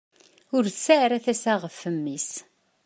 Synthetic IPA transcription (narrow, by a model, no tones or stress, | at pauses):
ʊɾθsaʕɾæθæsæʁəfːəmːis